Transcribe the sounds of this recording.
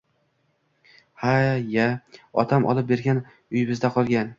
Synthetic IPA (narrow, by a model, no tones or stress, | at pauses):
hajaɒ̰t̪ʰamʔɒ̰lˠɪp̚be̞ɾɡʲan | ʊjɪbɪzd̪aqʰɒlˠɡʲan